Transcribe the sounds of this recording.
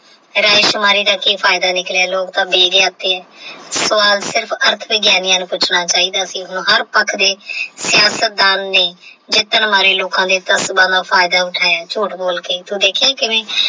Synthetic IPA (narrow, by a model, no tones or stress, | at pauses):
ɾaːɪʃmaːɾiːd̪aːkiːpʰaːɪd̪aːnɪklaːloːkt̪ãːbeːɡjaːt̪ːeːɛːsʋaːlsɪɾpʰəɾt̪ʰʋɪɡjaːnijãːnũːpʊt͡ʃʰnaːt͡ʃaːiːd̪aːsĩːʊnːɦəɾpəkʰd̪eːsɪjaːsət̪̚d̪aːnːeːd͡ʒɪt̪ːənmaːɾeːloːkãːd̪eːt̪əsbãːd̪aːpʰaːɪd̪aːʊʈʰaːjaːt͡ʃuːʈboːlkeːt̪ũːd̪eːkʰjãːkɪʋẽː